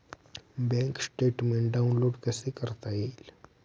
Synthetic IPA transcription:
bɛ̃ŋksʈeʈmẽɳʈɖaunloːɽkəsekəɾt̪ail

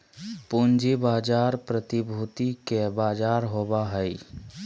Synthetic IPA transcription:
pʊnd͡ʒibaːd͡ʒaːɾpɾət̪ibʱuːt̪ikebaːd͡ʒaːɾɦobaɦəi

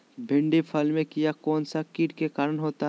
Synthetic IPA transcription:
bʱɪ̃ɳɖipʰɐlmẽkijakɔːnsakiːʈkekaːɾənɦoːt̪aɦ

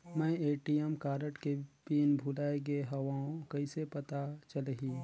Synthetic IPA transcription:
mɛ̃eːʈijəmkaːɾəʈkepiːnbʱulaːeɡeɦɐʋaːõkɐisepɐt̪at͡ʃəlɦiː

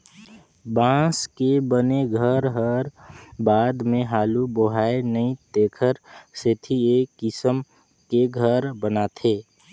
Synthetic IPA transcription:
bãːskebəneɡʱəɾɦəɾbaːd̪mẽɦaːluboɦaːenəĩt̪eːkʰəɾset̪ʰiekːɪsəm | keɡʱəɾbənat̪ʰeː

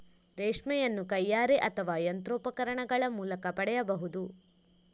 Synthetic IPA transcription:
ɾeːʂmɛjɐnːukɐjːaːɾeʔɐt̪ʰɐʋaːjɐnt̪ɾoːpɐkɐɾɐɳɐɡɐɭɐmuːlɐkɐpɐɽɛjɐbɐɦud̪u

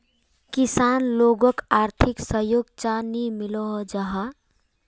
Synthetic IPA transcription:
kisanloɡəkaɾt̪ʰiksəɦjoɡt͡ʃanimilɔɦd͡ʒəɦa

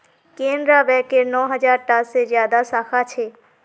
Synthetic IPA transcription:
kẽːnd̪ɾabɛːkenɔːɦəd͡ʒaːɾʈasːezjaːd̪asaːkʰat͡ʃʰeː

